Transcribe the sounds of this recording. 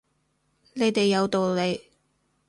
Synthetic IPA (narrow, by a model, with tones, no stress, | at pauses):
ne˨˧jt̪e˨jːɐ˨˧wt̪o˨wle˨˧j